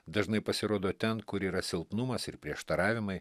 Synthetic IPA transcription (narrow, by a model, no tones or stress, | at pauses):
d̪ɐʒnɐɪpɐsʲɪɾoːd̪oːt̪ʲɛnkʊɾiːɾɐsʲɪlˠpnʊmɐsɪɾpʲɾʲiɛʃt̪ɐɾɑːʋʲɪmɐɪ